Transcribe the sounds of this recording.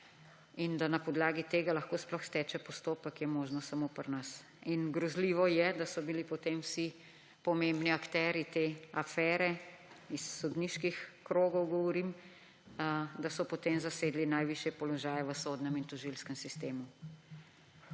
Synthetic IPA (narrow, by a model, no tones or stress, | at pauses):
ind̪anapɔd̪laːɡit̪eːɡalaxkoːsplɔxst̪ɛːt͡ʃɛpɔst̪oːpəkjɛmoːʒnɔsamopəɾnas | inɡɾɔzliːʋɔjɛd̪asɔbilipɔt̪emwsi | pɔmembniakt̪ɛːɾjit̪eafɛːɾɛisːɔd̪niʃkixkɾoːɡɔwɡɔʋɔɾim | d̪asɔpɔt̪emzaseːd̪linajʋiʃjɛpɔlɔʒaːjɛʋəsod̪nɛmint̪ɔʒilskəmsist̪eːmu